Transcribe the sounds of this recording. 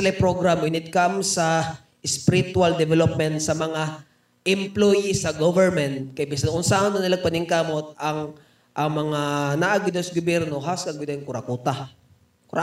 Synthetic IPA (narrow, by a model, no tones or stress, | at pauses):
lapɾoɡɾamwɪnɪt̪̚kamsɐ | ʔɪspɪɾit̪ʊald̪ɛvɛlop̚mɛnt̪sɐmɐŋa | ʔɪmplojisɐɡovɛɹmɛnt̪̚kɐjbisɐnŋʔʊnsaonʊnɪlaŋ̚pɐnɪŋkamot̪̚ɐŋ | ʔɐŋmɐŋanaʔaɡɪd̪ɐsɡʊbjɛɾnoɦaskɐɡwɪd̪ɛŋkʊɾakuːt̪a | kʊɾaʔ